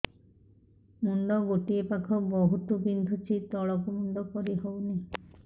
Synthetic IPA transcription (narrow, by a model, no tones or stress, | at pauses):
mund̪ɔɡoʈiepakʰɔbɔɦut̪ubind̪ʱut͡ʃʰit̪ɔɭɔkumund̪ɔkɔɾiɦowne